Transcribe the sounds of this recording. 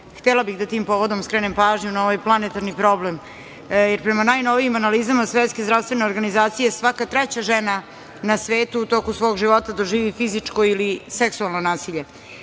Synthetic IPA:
xt̪elabiɣd̪at̪iːmpoʋo̞d̪omskɾenempaːʒɲunaoʋajplˠanet̪aɾnipɾo̞blem | jeɾpɾemanaːjno̞ʋijimanalizamasʋet̪ske̞zd̪ɾaʋst̪ʋeneo̞ɾɡanizaːt̪sije̞sʋakat̪ɾɛt͡ɕaʒena | nasʋeːt̪uːt̪o̞kusʋo̞ːɡʒiʋo̞t̪ad̪oʒiːʋifizit͡ʂkoiliseksualˠnonaːsiʎe̞

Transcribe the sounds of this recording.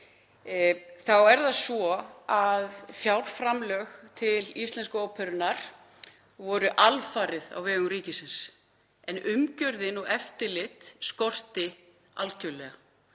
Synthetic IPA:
θawɛɾðasvɔaðfjawl̥fɾamlœxt̪ʰɪlist̪lɛnskʏɔːwpʰɛɾʏnaɾ̥ | vɔɾʏʔalfaːɾɪða̰wvɛːɣʏmɾiːcɪsɪns | ɛnʏmcœɾðɪnɔɣɛft̪ɪlɪt̪skɔr̥t̪ɪ | alcœwlɛɣa

